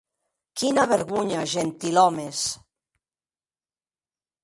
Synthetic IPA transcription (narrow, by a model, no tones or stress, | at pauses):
kinaβeɾɣuɲaʒent̪ilɔmes